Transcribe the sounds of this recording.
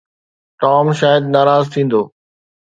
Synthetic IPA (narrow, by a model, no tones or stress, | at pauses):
ʈɔːmʃaːjəd̪naːɾaːzt̪ʰĩːn̆d̪oː